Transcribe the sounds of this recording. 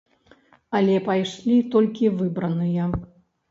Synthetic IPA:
ɐlʲɛpajʂlʲit̪ɔlʲkʲivɨbɾɐnɨjɐ

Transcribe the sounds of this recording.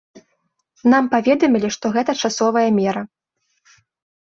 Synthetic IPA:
nampavʲɛd̪ɐmʲilʲiʂt̪ɔɣɛt̪ɐt͡ʂasɔvɐjɐmʲɛɾɐ

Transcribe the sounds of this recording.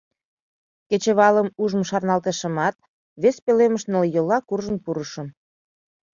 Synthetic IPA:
ket͡ɕəβɑləmuʒəmʃɑrnɑlt̪əʃəmɑt̪̚ | βespeleməʃnəljəlɑkurʒənpuɾəʃə̆m

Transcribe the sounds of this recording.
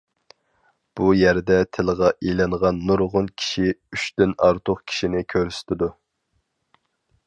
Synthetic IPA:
b̥ujæɾd̪ɛt̪ʰɪlˠʁɑʔelɛɴʁɑnːuɾʁʊnkʲʰi̥ʃiyʃt̪ynɑɾt̪ʰoqkʲʰi̥ʃinɪkʲʰøɾysɪ̥t̪ʰɪd̪u

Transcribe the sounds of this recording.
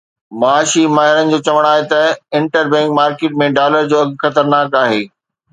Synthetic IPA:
maaːʃimaːɦɪɾənɪ̆d͡ʑoːt͡ɕɐʋəɽ̃aːɦet̪ɐɪ̃ɳʈəɾbɛ̃ːŋkmaːɾkeːʈ̚mẽɖaːləɾd͡ʑoːɐɡxɐt̪əɾnaːkaːɦeː

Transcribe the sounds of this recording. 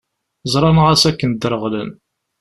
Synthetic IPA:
zˤɾˤɑnʁæsækːənd̪əɾˤəʁlən

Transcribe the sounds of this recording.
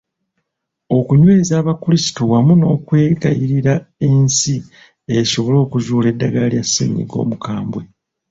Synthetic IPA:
o̞kuɲwe̞ːzaːβakulisi̥towamuno̞ːkwe̞ːɡajiɾiɾae̞nsi | e̞so̞βo̞lo̞ːkuzuːle̞dːaɡalljasːḭːɲḭɡo̞̰ːmukaːmbwe

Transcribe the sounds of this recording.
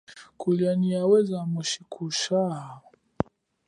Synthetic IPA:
kulianiawɛzamɔʃikʰuʃa

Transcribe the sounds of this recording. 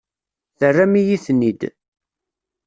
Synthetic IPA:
θərːæmijiθnid̪

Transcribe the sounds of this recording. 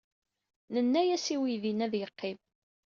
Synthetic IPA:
nənːæjæsiwiðinæðjəqʰːɪm

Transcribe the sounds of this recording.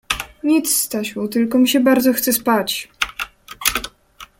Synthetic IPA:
ɲit̪sːt̪aɕut̪ɘlkɔmʲiɕɛbaɾd̪zɔxt̪sɛspat͡ɕ

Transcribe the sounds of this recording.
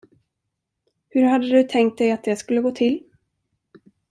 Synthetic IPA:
hɵɾɦad̪ːəd̪ɵt̪ʰɛŋkt̪̚d̪ɛjat̪̚d̪ɛskɵlːəɡoːt̪ʰɪlː

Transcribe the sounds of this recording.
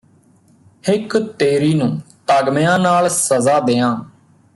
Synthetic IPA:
hɪkt̪eːɾiːnũːt̪aːɡmejãːnaːlsəzaːd̪eːãː

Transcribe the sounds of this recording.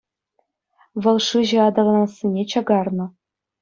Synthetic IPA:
ʋɤ̆lˠʂɯʑɘ̆ɑd̪ɑlˠɑnɑsʲːinʲet͡ɕɑɡɑrnɤ̆

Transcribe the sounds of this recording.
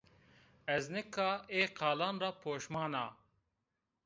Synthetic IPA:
ɛznɪkːɑːeːqʰɑːlɑːnrɑːpʰoːʃmɑːnɑː

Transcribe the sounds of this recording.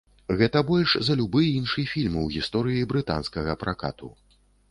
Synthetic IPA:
ɣɛt̪ɐbɔlʲʂzɐlʲubɨinʂɨjfʲilʲmɨwɣʲist̪ɔɾɨjibɾɨt̪a̰nskɐɣɐpɾʔaka̰t̪ṵ

